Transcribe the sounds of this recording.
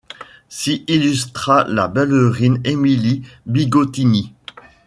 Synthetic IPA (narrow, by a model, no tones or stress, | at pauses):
siʔilyst̪χala̰bɛløʁinemilibiɡot̪ini